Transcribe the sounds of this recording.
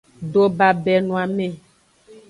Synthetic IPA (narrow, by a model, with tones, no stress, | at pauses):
ɖo˦ba˨bɛ˨nũ˨a˨mẽ˦